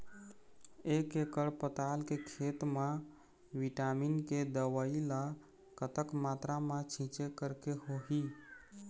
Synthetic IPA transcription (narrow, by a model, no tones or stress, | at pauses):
ekekəɽpət̪alkekʰet̪ma | ʋiʈaminked̪əwəila | kət̪əkmat̪ɾamãt͡ʃʰĩt͡ʃekəɾkeɦoɦi